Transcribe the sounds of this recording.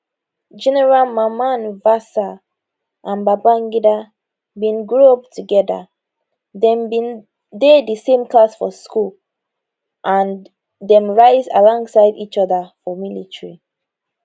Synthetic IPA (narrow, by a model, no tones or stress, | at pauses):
d͡ʒɛnɛɹalmamãnvasa | ʔãnbabaŋɡida | bĩnɡɹuɔp̚tʰuɡɛdə̰ | dɛ̃mbĩn | dedəsẽmklasfɔskul | ʔãn | dɛ̃mɹaɪza̰lɔ̃ŋɡsaɪdit͡ʃɔðəfɔmilitɹi